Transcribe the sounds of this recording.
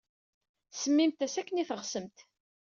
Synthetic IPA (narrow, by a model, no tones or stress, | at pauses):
səmːimt̪æsækːəniθəʁsəmt̪